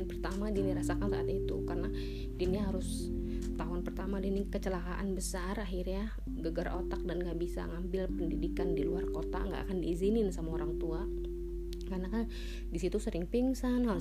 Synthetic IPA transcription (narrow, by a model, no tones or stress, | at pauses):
npərt̪amadiniɾasakansaːt̪it̪ṵkarəna | diniɦaɾʊs | t̪aɦʊnpərt̪amadinikət͡ʃəlakaʔanbəsaraɦirɲa | ɡəɡarʔo̰t̪ak̚danŋɡaʔbisa̰ŋambɪlpəndidikandiluarkot̪a̰ŋɡa̰ʔakandiːzinɪnsamaoɾaŋt̪ua | karnakan | disit̪usəɾɪŋpiŋsanɦaɾʊ